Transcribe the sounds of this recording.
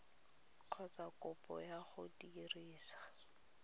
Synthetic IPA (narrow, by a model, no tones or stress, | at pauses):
kʰɔt͡sakʼʊpʼɔ̰jaχʊdiriːsḁ